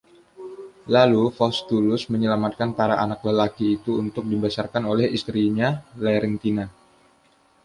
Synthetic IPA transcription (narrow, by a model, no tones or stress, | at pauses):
lalufɔst̪ulʊsməɲəlamat̪̚kanpaɾaʔanak̚ləlakiːt̪uːnt̪ʊk̚dibasarkanolɛhist̪ɾiɲalɛɾɛnt̪ina